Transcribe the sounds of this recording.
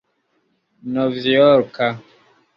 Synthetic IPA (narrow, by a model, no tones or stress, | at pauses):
nɔvijɔɾka